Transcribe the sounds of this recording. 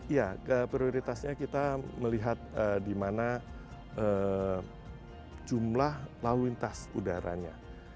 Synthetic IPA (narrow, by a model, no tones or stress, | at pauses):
ijaəpɾioɾit̪asɲakit̪aməliɦat̪̚ədimana | ə | d͡ʒumlahlauint̪asudaɾa̰ɲa̰